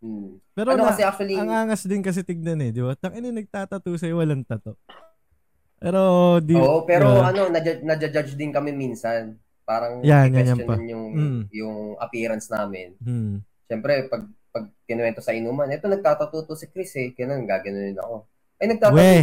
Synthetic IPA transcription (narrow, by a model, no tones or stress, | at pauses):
m̩pɛːɾoɐnokɐsɛʔak̚t͡ʃ̪uwɐliɐŋaːŋɐsd̪ɪnkɐs̬ɛt̪ɪɡ̚nɐnɛd̪ɪbat̪ɐŋɐnɪnɐɡ̚t̪aːt̪ɐt̪uːsɐjowɐlɐŋt̪ɐt̪o | pɛːɾo̞ʔd̪iːoʔopɛɾoʔɐno̞nɐd͡ʒad͡ʒnɐd͡ʒɐd͡ʒad͡ʒd̪ɪnkɐmɛminsɐn | paːɾɐŋjanjɛnɐmopɐnjʊŋm̩ːʔ̩jʊŋʔɐ̰piːɾɐnsnaːmɪnm̩ː | ʃɛmpɾɛpɐɡ̚ | pɐɡ̚k̪ɪnwɛnt̪osɐʔɪnumɐnʔɛt̪onɐɡ̚t̪aːt̪ɐt̪uːt̪osɐkɾisɛɡ̥ɐno̞nɡaːɡɐnonɪnɐ̰ko̞ | ʔɐjnɐɡ̚t̪aːwɐɛ